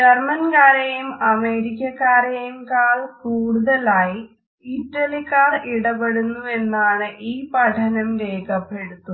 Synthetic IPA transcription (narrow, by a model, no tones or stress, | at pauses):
d͡ʒɐrmɐnkaːɾejumɐme̞ːɾik̬ʲːɐkːaːɾejumkaːɭkuːɽuðɐlaːji | iʈːɐlikːaːriɽɐpeɽunːue̞nːaːɳɨʔiːpɐʈʰɐnɐmɾeːkɐpːe̞ɽut̪ːu